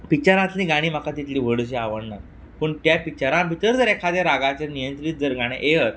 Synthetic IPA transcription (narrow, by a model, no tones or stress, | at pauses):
pit͡ɕaɾãt̪liɡaɽ̃iːm̤akat̪it̪liːʋ̤əɽɕ̬eaʋəɳnaɾ | pəɳt̪japit͡ɕaɾãbʱit̪əɾd͡zəɾekʰad̪jeɾaɡat͡ɕenijənt̪ɾit̪̚d͡zəɾɡaɽ̃ḛʔeɦəɾ